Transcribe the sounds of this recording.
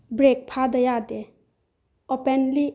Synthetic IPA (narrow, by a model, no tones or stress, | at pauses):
bɾek̚pʰad̪əjad̪e | ɔpɛnli